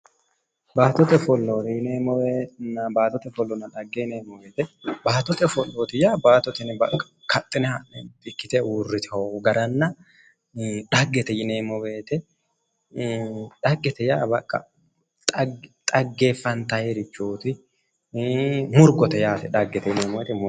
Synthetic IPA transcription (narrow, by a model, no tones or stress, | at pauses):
baːt̪ɔt̪ɛfɔlːoːjɪneːmɔenɐbaːt̪ɔt̪ɛfɔlːɔnɐᶑɐɡːɛneːmɔbeːt̪ɛbaːt̪ɔt̪ɛfɔlːoːt̪ɪjaːbaːt̪ɔt̪ɪnbɐ̰kʼːɐ̥kʰɐt̪ʼːɪnɛhɐnɛt̪ɪkːɪt̪ɛwurːɪt̪ʰɛhoɡɐɾɐnːɐ | ᶑɐɡːɛt̪ɛjɪneːmɔweːt̪ɛ | ᶑɐɡːɛt̪ɛjaːbɐkʼːɐ̰ | t̪ʼt̪ʼɐɡːeːfːɐnt̪ɐheɾɪt͡ʃːuːt̪ɪ | mʊɾɡɔt̪ɛjaːt̪ɛᶑɐɡːɛt̪ɛjɪneːmɔwɛt̪ɪm